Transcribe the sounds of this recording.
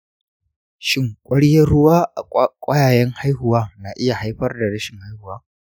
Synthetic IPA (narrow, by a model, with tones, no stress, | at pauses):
ʃɪ˦ŋkʷʼɐ˦ɽjɐ˦ɽʊ˦waː˦ʔa̰˨kʷʼɐ˦jaː˨jɐ˦ŋha˦jhʊ˨waː˦na˨ʔɪ˦ja˨ha˦jɸɐ˦rda˨ɽɐ˦ʃɪ˨ŋha˦jhʊ˨waː˦